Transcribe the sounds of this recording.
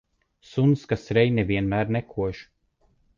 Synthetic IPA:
sunskasɾɛjnevʲiɛnmæːɾnɛkʰuɔʒ

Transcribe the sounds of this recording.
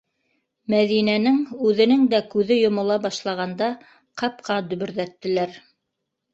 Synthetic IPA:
mæðinænɘŋʉðɘ̆nɘŋd̪ækʉðɘjŏmŏlˠɑbɑʃlˠɑʁɑnd̪ɑ | qʰɑp̚qɑd̪ɵ̆βɵ̆ɾðæt̪ːɘ̆læɾ

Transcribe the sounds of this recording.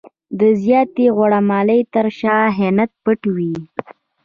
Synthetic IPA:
d̪əzjɑt̪eɣwaɽamɑləjt̪əɾʃɑɦenat̪̚pəʈwi

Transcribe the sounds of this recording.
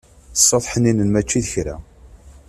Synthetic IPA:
sˤːoðˤħəninənmæt͡ʃːiðəçɾæ̰

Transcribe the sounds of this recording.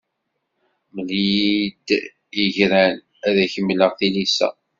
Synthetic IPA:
məld̪ | jəʝɾæl | æðæçəmːləʁθilisæ̰

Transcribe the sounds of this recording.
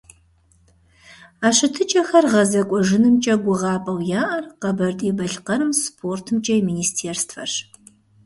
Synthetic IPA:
aːɕɨtʰɨt͡ʃʼɐxɐrʁɐzɐkʷʼɔʒɨnɨmt͡ʃʼɐɡʷʊʁɑːpʼɐwjaːʔɐrqɐbɐrtʼeːbɐɬqɐɾɨmspʰoːrtʰɨmt͡ʃʼɐjmiːniːstʰeːrstfɐ̰ɕ

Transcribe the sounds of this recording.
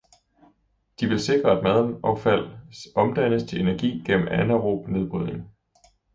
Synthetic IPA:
d̥iʋe̝lse̝ɡ̥ʁɐæd̥mæð̞ˠnɒʊfæl̰ʔɒ̽md̥ænəst͡sʰe̝le̝næɐɡ̥ḭːɡ̥en̰m̩ænæʁoːb̥ne̝ðˠb̥ʁyð̰ˠe̝ŋ

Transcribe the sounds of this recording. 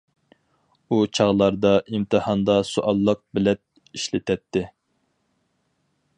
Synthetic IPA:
ut͡ʃʰɑʁlˠɑɾd̪ɑʔimt̪ʰɨhɑnd̪ɑsuʔɑlˠːəq̚bɪlɛt̪̚ | iʃlɪt̪ʰɛt̪ʰːɪ

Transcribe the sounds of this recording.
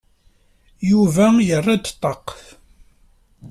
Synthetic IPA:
juvæjərˤːad̪t̪ˤːɑqf

